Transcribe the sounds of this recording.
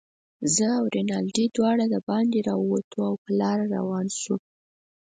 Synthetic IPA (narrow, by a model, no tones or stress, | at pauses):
zəawɾenɑlɖid̪wɑɽad̪əbɑnd̪eɾɑwat̪ʰuawpəlɑɾaɾa̰wɑnʃu